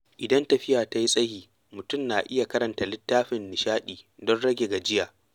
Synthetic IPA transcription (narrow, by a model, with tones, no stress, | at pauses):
ʔɪ˨dɐ˦ntɐ˨ɸɪ˦jaː˨ta˦ji˦sʼɐ˦hiː˨ | mʊ˨tʊ˦mnaː˨ʔɪ˦ja˨kɐ˦ɾɐ˨nta˨lɪ˦tːaː˦ɸɪ˨nːɪ˨ʃaː˦ɗiː˨dɔ˦nɽɐ˦ɡʲe˨ɡa˨d͡ʒɪ˦jaː˨